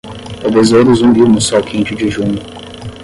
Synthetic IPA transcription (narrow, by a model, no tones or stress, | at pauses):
t̪awvezod̪ʊzũɡimʊsɔkʰĩnt͡ʃɪd͡ʒɪʒũɲʊ